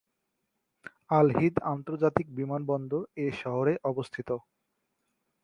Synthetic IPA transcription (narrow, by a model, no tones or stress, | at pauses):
alɦid̪ant̪oɾd͡ʑat̪ik̚bimanbɔnd̪ʱoeʃɔɦoɾeʔɔbost̪ʰit̪o